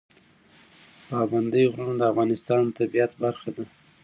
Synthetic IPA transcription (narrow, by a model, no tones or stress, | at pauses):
pɑband̪əjɣɾaɳd̪əafɣɑnɪst̪ɑnt̪abijat̪baɾxad̪a